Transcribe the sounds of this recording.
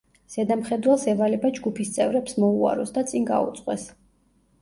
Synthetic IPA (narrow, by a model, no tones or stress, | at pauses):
z̥ɛd̪amχɛd̪wɛlˠsɛvalɛbad͡ʒɡupʰist̪sʼɛvɾɛpsmɔua̰ɾɔsd̪at̪sʼinɡa̰ṵt̪sʼqʼwɛ̰s